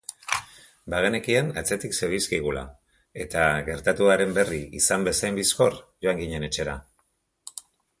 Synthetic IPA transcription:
baɣene̞kianat͡se̞t̪ikseβiskiɣula̰ | e̞t̪aɣe̞ɾt̪at̪uaɾe̞mbe̞riisambe̞sajmbisko̞rʝo̞aŋɡiɲe̞ne̞t͡ʃe̞ɾa

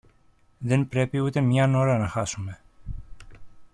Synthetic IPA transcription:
ðenpɾe̞piut̪emɲɐno̞ɾɐnɐxɐsume̞

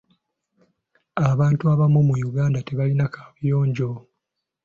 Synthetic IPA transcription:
aβaːntuaβamːumujuɡaːndate̞βalinakḁβjoːɲɟo̞

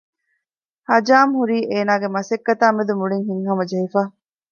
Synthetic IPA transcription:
hɐd͡ʒaːmhuɾiːʔeːnaːɡemɐsekːɐt̪aːmed̪umuɭiŋɦiŋhɐmɐd͡ʒɐɦifaː

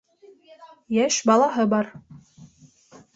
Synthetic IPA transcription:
jæʃbɑlˠɑɦɤbɑɾ

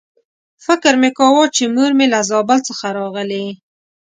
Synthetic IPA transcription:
fɪkəɾmekɑwɔt͡ʃemuɾmelazɑbalt͡səxaɾɑɣəle

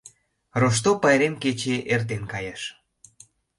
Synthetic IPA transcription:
roʃ̬t̪opɑjɾemket͡ɕeʔert̪̬enkɑjeʃ

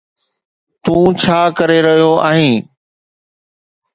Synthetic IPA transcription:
t̪ũːt͡ɕʰaːkɐɾeɾɐɦijoaːɦĩː

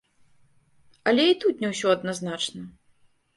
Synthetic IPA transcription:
ɐlʲɛit̪ut̪nʲɛwsʲɔɐd̪naznat͡ʂnɐ

